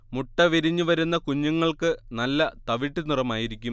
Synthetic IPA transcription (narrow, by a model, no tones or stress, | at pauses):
muʈːɐʋiɾiɲːuʋɐɾunːɐkuɲːuŋːɐɭkɨnɐlːɐt̪ɐʋiʈːinurɐmaːjiɾikʲːum